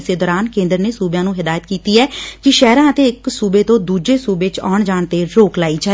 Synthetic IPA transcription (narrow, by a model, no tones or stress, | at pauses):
seːd̪ɔːɾaːnkẽːnd̪əɾneːsuːbjãːnũːɦɪd̪aːjət̪kiːt̪iːɛːkɪʃɛːɾãːət̪eːɪksuːbeːt̪õːd̪uːd͡ʒeːsuːbeːt͡ʃɔ̰ːɳd͡ʒaːɳt̪eːɾoːklaːiːd͡ʒaː